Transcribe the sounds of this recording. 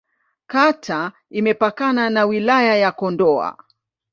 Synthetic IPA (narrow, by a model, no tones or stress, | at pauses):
katʰa | imɛpakananawilajajakɔndɔa̰